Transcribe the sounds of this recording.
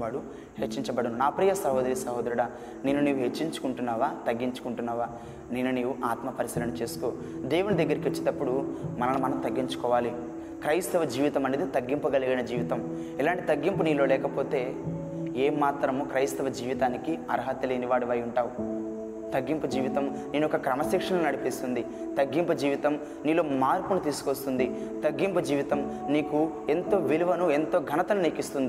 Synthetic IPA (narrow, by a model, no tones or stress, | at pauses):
aːɽu | het͡ʃːiɲt͡ʃɐbɐɽɐnunaːpɾiːjɐsɐɦoːd̪ɐɾisɐɦoːd̪ɐɾuɽaː | neːnːuniːʋuɦet͡ʃːiɲt͡ʃu̥kuɳʈunːaːʋaːt̪ɐɡːiɲt͡ʃu̥kuɳʈunːaːʋaː | neːnːuneːʋuʔaːt̪mɐpɐɾisiːɾɐnut͡ʃe̞ːsu̥koː | d̪eːʋunid̪ɐɡːɐɾiket͡ʃːid̪ɐpːuɽumɐnɐnumɐnɐmt̪ɐɡːiɲt͡ʃu̥kɔːʋaːli | kɾɐjst̪ɐʋɐd͡ʒiːʋit̪ɐmɐneːd̪it̪ɐɡːimpuɡɐliɡɐnɐd͡ʒiːʋit̪ɐm | ɛlaːɳʈit̪ɐɡːimpuniːlo̞ːlɛːkɐpo̞ːt̪e̞ː | eːmːaːt̪ɾɐmkɾɐjst̪ɐʋɐd͡ʒiːʋit̪aːnikiɐ̰ɾɦɐt̪ːɐleːniʋaːɽiʋɐːjuɳʈaːʋu | t̪ɐɡːimpud͡ʒiːʋit̪ɐm | niːnuɔkɐkɾɐmɐsikʂɐnɐnunɐɽipist̪und̪i | t̪ɐɡːimpɐd͡ʒiːʋit̪ɐm | niːlo̞ːmaːɾpunut̪iːsu̥kost̪und̪i | t̪ɐɡːimpud͡ʒiːʋit̪ɐm | niːkue̞nt̪o̞ːʋiluʋɐnue̞nt̪o̞ːɡʱɐnɐt̪ɐnuniːkist̪und̪i